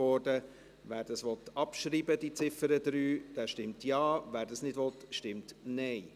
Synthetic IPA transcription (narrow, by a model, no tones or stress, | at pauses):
ɔɾdə | ʋæːɾd̥ɑsʋɔtɑpʃɾiːbədit͡sɪfəɾəd̪ɾyːd̥æːʃtɪmtjɑːʋæːɾdɑsnɪdʋɔt̪ʃtɪmtnɛɪ